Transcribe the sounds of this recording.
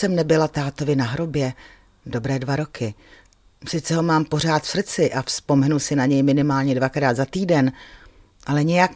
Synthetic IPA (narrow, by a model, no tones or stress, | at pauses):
sɛmnɛbɪlat̪aːt̪o̞vɪnaɦɾo̞bjɛ | do̞bɾɛːdvaɾo̞kʰɪ | sɪt̪t͡sɛɦo̞maːmpo̞r̝aːt̪fsr̩t͡sɪʔafspo̞mɛnusɪnaɲɛjmɪnɪmaːlɲɛdvakɾaːd̪zat̪iːdɛn | ʔalɛɲɛjak